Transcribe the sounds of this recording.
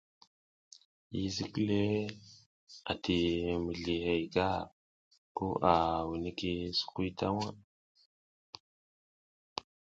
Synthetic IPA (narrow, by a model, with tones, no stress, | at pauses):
ji˦zi˦kle˦ | a̰˨ti˨mi˨ɮi˨he˨jɡa˦˨ | ku˦ʔa˨wi˨ni˦ki˦su̥˨ku˦ta̰˦wa˦